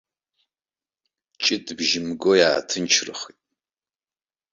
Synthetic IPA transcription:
t͡ʃʼɪtʰʼbʒɪmɨɡojaːtʰɨnt͡ʃʰrɨ̰χitʼ

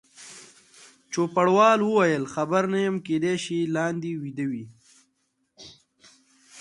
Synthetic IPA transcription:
t͡ʃopaɽwɑːlwəwajəlxɐbəɾnajəmkeːd̪eʃilɑːnd̪iwid̪əwi

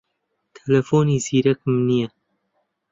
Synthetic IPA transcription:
t̪ʰɛlɛfoːniːziːɾɛk̚mnijɛ

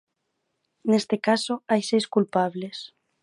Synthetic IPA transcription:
nest̪ekasoajsejskulpaβ̞les

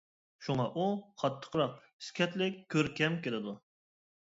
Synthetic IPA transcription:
ʃuŋɑʔuχʰɑt̪ʰːə̥qʰəɾɑq̚ | i̥skʲʰɛt̪lɪkʲkʲʰːøɾkʲɛmkʲelɪd̪u

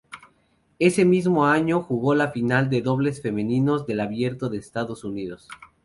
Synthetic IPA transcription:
e̞se̞mizmo̞aɲo̞xuɣo̞lafinald̪e̞ðo̞β̞le̞sfe̞mẽ̞nĩno̞zðe̞laβje̞ɾt̪oðe̞ːst̪aðosuniðo̞s

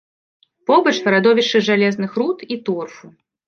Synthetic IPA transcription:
pɔbɐt͡ʂvɐɾad̪ɔvʲiʂɨʐalʲɛznɨxɾut̪it̪urfu

